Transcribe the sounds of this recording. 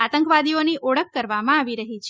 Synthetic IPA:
at̪ə̃ŋkʋad̪ioniʔoɽəkːəɾʋamãaʋiɾəɦit͡ʃʰ

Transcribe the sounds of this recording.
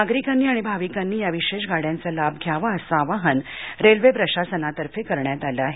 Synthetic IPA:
aɡɾikanːiːaɽ̃ibʱaʋikanːiːjaʋiɕeʂɡaɽjãnt͡salab̚ɡʱjaʋaəsaːʋaɦənɾelʋepɾəɕasənat̪əɾfekəɾɳjat̪alaːɦe

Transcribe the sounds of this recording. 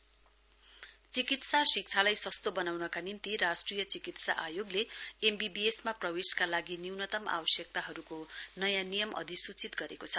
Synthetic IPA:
t͡sikit̪sasik̚t͡sʰalajsʌst̪obʌnawnʌkanimt̪iɾasʈrijʌt͡sikit̪sa̰ʔajoɡleembibiesmaprʌbeskalaɡiniwnʌt̪ʌma̰bʌsjʌk̚t̪aɦʌɾukonʌjanijʌmʌ̰d̪ʱisut͡sit̪ɡʌɾekot͡sʰʌ

